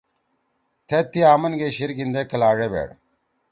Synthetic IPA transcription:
t̪ʰet̪ːiaːmɐnɡeɕiɾɡind̪ekɐlaːʐebḛːɽ

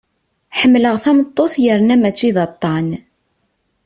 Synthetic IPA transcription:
ħəmːləʁθæmət̪ˤːoθjəɾnæmæt͡sːiðɑt̪ˤːɑn

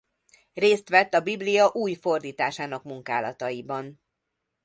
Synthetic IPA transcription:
reːst̪ʋɛt̪ːɒbiblijɒʔuːjfo̞rd̪iːt̪aːʃaːnɒkmuŋka̰ːlɒt̪ɒjibɒn

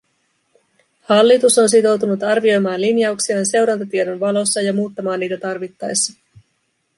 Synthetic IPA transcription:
hɑlːit̪uso̞ns̬it̪o̞wt̪unut̪ɑrʋio̞jmɑːnlinjɑuksiɑːnse̞wɾɑnt̪ot̪iedo̞nʋɑlo̞sːɑjɑmuːt̪ːɑmɑːnːiːt̪æt̪ɑrʋit̪ːɑjsːɑ̥

